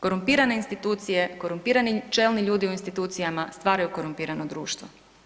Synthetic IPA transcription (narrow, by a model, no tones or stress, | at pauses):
ko̞ɾumpiːɾane̞inst̪it̪uːt̪sije̞ko̞ɾumpiːɾanit͡ʃe̞lniʎuːd̪iuinst̪it̪uːt̪sijamast̪ʋaːɾajuko̞ɾumpiːɾanod̪ɾuːʃt̪ʋo̰